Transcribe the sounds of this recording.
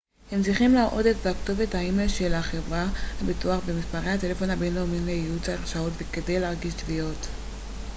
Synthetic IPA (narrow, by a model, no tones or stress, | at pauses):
hemsiχimlaaʔo̞detveaktovethaimeʃelaχe̞vʁahabituaχbemispaʁejhate̞lefo̞nabenloomimlejiut͡saaʁʃaotveke̞de̞jleaʁɡiʃtvio̞t